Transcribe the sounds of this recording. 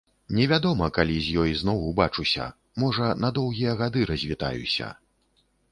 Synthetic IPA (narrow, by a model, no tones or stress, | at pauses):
nʲɛvʲad̪ɔmɐkalʲizʲjɔjznɔwubat͡ʂusʲɐ̰ | mɔʐɐnɐd̪ɔwɣʲijɐɣad̪ɨɾɐzʲvʲit̪a̰jṵsʲɐ̰